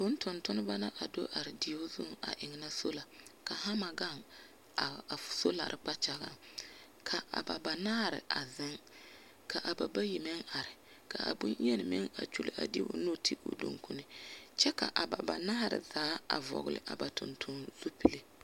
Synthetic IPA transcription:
bʊ˦n˦tʊ˨ntʊ˦n˦ba˦na˦ʔa˨do˦ʔa˨ɾɪ˨di˨o˦zʊ̰˦ŋa̰˨ʔɪ˨ŋ˨na˦so˦la˨ka˨ha˦ma˨ɡa˦˨ŋ˨ | so˦la˨ɾʔɪ˨k͡pa˦t͡ʃa˦ɣa̰˦ŋ | kʰa˨ʔa̰˨ba˨ba˨naː˦ɾɪ̰˨ʔa˨zɪ˦ŋ | ka˨ʔa˨ba˨ba˦ji˨mɛ˦ŋa˨ɾɪ˨ | ka˨ʔa̰˨bṵ˦n˦jɛ˦nɪ˨mɪ̰˦ŋa̰˨t͡ʃu˦lɪ˨ʔa̰˨di˦o̰˦no˦tʰi˦ʔo̰˨do̰˨ŋku˦nɪ˦t͡ʃɛ˦ka̰˨ʔa˨ba˨ba̰˨naː˦ɾɪ̰˨zaː˨˦a̰˨vɔ̰˨ɡʊ˨lɪ̰˨ʔa˨ba˨tʊ̰˨ntʰʊ˦nz̥u˦pi˨le˦

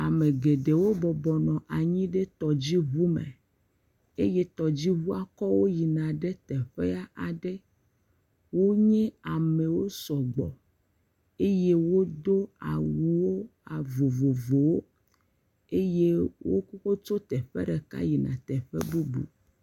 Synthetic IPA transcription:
a˨me˨ɡe˨ɖe˨wo˦bɔ˨bɔ˨nɔ̃˨ʔa˨ɲĩ˦ɖe˦t̪ɔ˨d͡ʑi˦βu˦mḛ˨ | e˦je˦t̪ɔ˨d͡ʑi˦βu˦a˦kɔ˦wo˦ji˨nã˨ɖɛ˦t̪ɛ˨ɸɛ˦a˦ʔa˨ɖɛ˦ | wo˦ɲɛ̃˦a˨me˨wo˦sɔ˨ɡ͡bɔ̰˨ | e˦je˦wo˦d̪o˦a̰˨wu˨wo˦a˨vo˨vo˨vo˨wo˦ | e˦je˦wo̰˦ku˦ko˦t͡ʃo˦t̪ɛ˨ɸɛ̰˦ɖɛ˨ka̰˦ji˨nã̰˨t̪ɛ˨ɸɛ̰˦bu˦bṵ˨

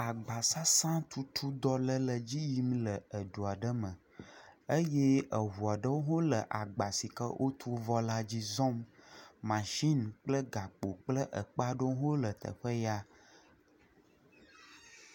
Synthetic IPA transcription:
a˨ɡ͡ba˨sa˦sã˦t̪ʰu˦t̪ʰu˦d̪ɔ˦lə˦lə˨d͡ʑi˦ji˦mlə˨ə˨d̪u˨a˨ɖə˦mə̃˨ | ə˦je˦ʔə˨ɦu˨a˨ɖə˦wo˦ɦo˦lə˨ʔa˨ɡ͡ba˨si˨kə̰˦wʔo˦t̪ʰu˦vɔ˦la˦d͡ʑi˦zɔ̃˦mː | ã˨ʒi˦nk͡plə˦ɡa˨k͡po˨k͡plə˦ʔə̰˨k͡pa˦ɖo˦ɦo˦lə˨t̪ʰə̰˨ɸə˦ja˦

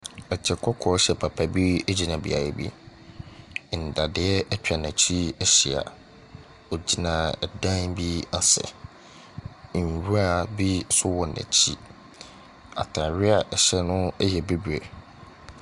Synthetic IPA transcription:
ɛ˨t͡ɕʰɛ˨kʰɔ˦kʰɔ˨˦ɕɛ˨pʰa˨pʰa˨bi˦ɛ˦d͡ʑi˨nã˨bḭ˨a̰˨jɛ˨bḭ˦˨ | n̩˨da˨dɪ˨˦ɛ˦ʔɛ˦t͡ɕᶣa˨nɛ̃˨t͡ɕʰi˦ɛ˦ɕi˨a̰˨ | ɔ˨d͡ʑi˨nã˨ɛ˨dã˦nbi˦a˨sɛ̰˨ | ɾu˦a˦˨bi˦sʊ˦wɔ˨næ̰̃˨t͡ɕʰi˦ | a̰˨tʰã˨ɾɪ˦a˨ʔɛ˨ɕɛ˦nʊ̃˦ɛ˦jɛ˨be˦bɥɛ˨

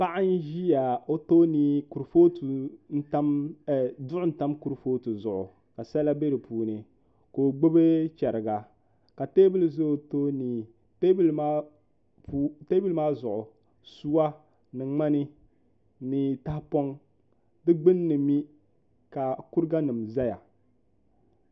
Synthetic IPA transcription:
pa˦ʔa˦n˦ʒi˦ja˨o˦toː˦niː˦ku˨ɾfo˦tu˨n̩˦ta˦m˨ | dʊ˦ʔʊ˦n̩˦ta˦mku˦ɾfoː˦tu˨zʊ˨ʔʊ̰˨ | ka˨sɛ˦la˦be˦ɾɨ˨pʰuː˨nɨ˨ | koː˨ɡ͡bo˦be˦t͡ʃɛ˨ɾɪ˨ɡa˨ | ka˨teː˦bɪ˦lzo˦˨toː˦niː˨ | tbl | pːte˦bi˦lmaː˦zʊ˨ʔʊ˨ | su˦wa˦ | nɨ˨ŋ͡ma˦nɨ˦ | niː˨ta˦hpɔ˦ŋ | dɨ˦ɡ͡bɨ˦nː˦ɨ˨mi˦ | ka˨ku˦ɾɡa˦nɨ˨mza˦ja̰˨

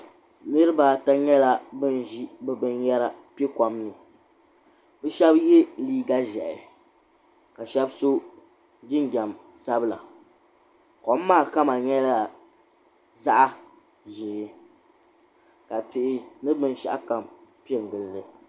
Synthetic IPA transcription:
nɨ˦ɾɨ˦ba˨ta˦ɲɛ˦la˦bɨ˦ni˦bɨ˦bɨ˦njɛ˦ɾa˦pe˦ka˨mnɨ˨ | bɨ˦ʃɛ˦bje˦liː˦ɡa˦ʒɛ˨ʔɪ̰˨ | ka˨ʃɛ˦bso˦ | d͡ʒɪ˦ŋ˦ɡa˨m | sa˦bla̰˨ | kɔ˨˦m˦mːaː˦˨ka˦ma˨ɲɛ˦la˨ | za˦ʔa˦ | ʒɪ˨˦ | ka˨tɪ˨ʔɪ˨nɨ˦bɨ˦n˦ʃa̰˦ʔa˦ka˨mpi˦ɛ˨ŋ˨ɡɨ˨lːɨ˨

